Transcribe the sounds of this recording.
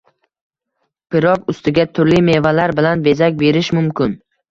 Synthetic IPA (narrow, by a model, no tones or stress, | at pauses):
pʰɪɾɒpʊst̪ɪɡʲat̪ʰʊɾlime̞valaɾbɪlanbe̞zakʲbe̞ɾɪʃmʊmkʲʰɪn